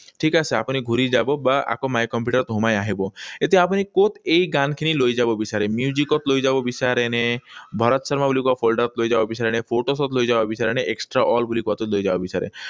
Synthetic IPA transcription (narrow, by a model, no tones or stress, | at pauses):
ʈʰikasea̰pñiɡʱuɾid͡ʒabɔbaʔa̰kɔmajkɔmpjuʈəɾt̪ɦumajaɦebɔet̪eapnikot̪ejɡankʰiniloijd͡ʒabɔbisaɾemjud͡ʒikɔt̪lojd͡ʒabɔbisaɾenebʱɔɾɔt̪ɔsɔɾmabulikɔapʰolɖaɾɔt̪loid͡ʒabɔbisaɾenepʰoʈosɔt̪lojd͡ʒabɔbisaɾeneeksʈɾaʔɔlbulikɔat̪olojd͡ʒabɔbisaɾḛ